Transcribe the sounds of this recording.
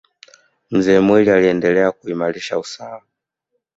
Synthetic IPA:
m̩zɛːmwilialiɛndɛlɛakuimaliʃa̰usawa

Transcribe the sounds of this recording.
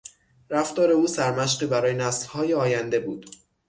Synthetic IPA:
ɾæft̪ɒːɾe̞uːsæɾmæʃɢiːbæɾɒːjenæslhɒːjeɒːjænd̪e̞bṵːd̪̥

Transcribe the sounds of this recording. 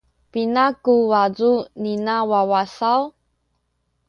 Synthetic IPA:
pinakuwazuninawawasaw

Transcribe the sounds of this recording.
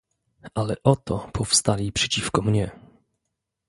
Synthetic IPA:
ʔalɛʔɔt̪ɔpʰɔfst̪alʲipʂɛ̥t͡ɕifkɔmɲɛ

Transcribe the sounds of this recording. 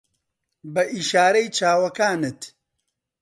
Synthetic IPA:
bɐʔiʃaːɾɐjt͡ʃʰaːwɐkaːnɨt̪

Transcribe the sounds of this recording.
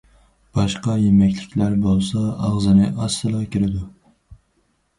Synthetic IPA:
b̥ɑʃqɑjemɛkʲlɪkʲʰlæɾbolˠsɑɑʁzɨnɨʔɑsːɨlˠʁɑkʲʰiɾɪd̪u

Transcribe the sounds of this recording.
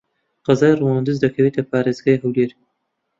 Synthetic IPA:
qɑzaːjruwaːnd̪ɨzd̪ɐkʰɐwet̪ʰɐpʰaːɾeːzɡaːjɦɐwleːɾ

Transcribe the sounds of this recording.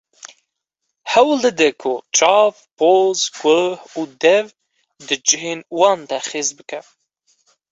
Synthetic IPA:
hɛwld̪ɨd̪ɨkʰʊt͡ʃʰɑːvpʰozɡʷəhud̪ɛv | d̪ɨd͡ʒɨɦeːnwɑːnd̪aχeːzbɨkʰɛ

